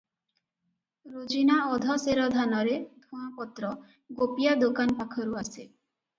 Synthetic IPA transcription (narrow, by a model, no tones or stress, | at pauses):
ɾod͡ʒinaɔd̪ʱɔseɾɔd̪ʱanɔɾed̪ʱũapɔt̪ɾɔ | ɡopijad̪okanpakʰɔɾuase